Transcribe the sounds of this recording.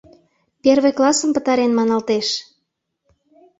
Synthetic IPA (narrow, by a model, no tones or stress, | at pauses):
perβejklˠɑsəmpə̆t̪ɑɾenmɑnɑlt̪eʃ